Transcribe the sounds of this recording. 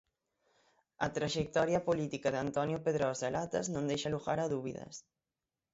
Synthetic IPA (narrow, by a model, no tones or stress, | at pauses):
ɐ̰t̪ɾaʒek̚t̪ɔɾjɐpolit̪ikɐðeant̪ɔnjʊpeðɾɔzelat̪ɐ̰znõnd̪ejʃaluɣaɾɐðuβiðɐ̰s